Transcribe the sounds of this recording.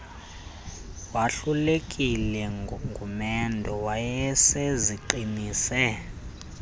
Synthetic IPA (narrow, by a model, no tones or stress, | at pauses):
waɬulekʼilɛŋɡʱumɛndʱɔwajɛsɛziǃiniːsɛ